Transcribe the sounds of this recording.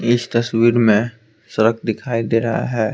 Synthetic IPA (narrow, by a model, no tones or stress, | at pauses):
ɪst̪ɐswiːɾmẽ | sɐɾək̚ʰd̪ɪkʰaːid̪eːɾɐɦa̰ɦɛː